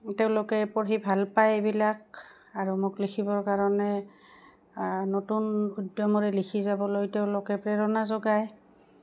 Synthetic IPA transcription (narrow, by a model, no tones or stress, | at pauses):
tɛʊ̃lʊkɛpoɦibʱalpajbilak̚ | aɹumʊklikʰibɔɹkaɹɔnɛ | notunudjɔmɔɹɛlikʰizabɔlojtɛʊ̃lʊkɛpɹɛɹɔnazɔɡaj